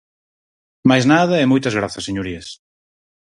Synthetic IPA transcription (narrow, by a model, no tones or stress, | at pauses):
majznaðɐemojt̪aɐzɣ̞ɾaθaseɲoɾies